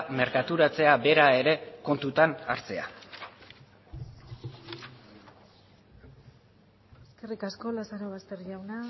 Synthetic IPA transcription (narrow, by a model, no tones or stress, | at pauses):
me̞ɾkat̪uɾat͡se̞abe̞ɾae̞ɾe̞ko̞nt̪ut̪ana̰ɾt͡se̞a̰ | eske̞rikasko̞lasaɾoβ̞ast̪e̞ɾʎawna